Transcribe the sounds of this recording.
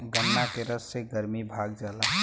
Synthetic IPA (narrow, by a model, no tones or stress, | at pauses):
ɡənːakeɾəsseɡəɾmibʱaːɡ̚d͡ʒaːlaɦ